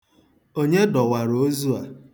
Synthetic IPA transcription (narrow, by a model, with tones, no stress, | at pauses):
o˦ɲe˦dɔ˨wa˨ɾo˨˦zu˦a˨